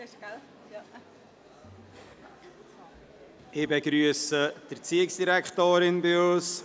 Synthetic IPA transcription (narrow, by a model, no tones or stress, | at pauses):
ɪbeɡɾyəsəd̥əɾt͡siːɪksd̥iɾɛkχtoːɾɪnbɪos